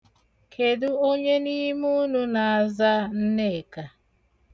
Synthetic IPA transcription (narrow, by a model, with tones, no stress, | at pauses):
kʰe˨du˦o˦ɲe˦ni˦mu˦nu˦na˨a˨za˦n̩˦ne˦˨ka˨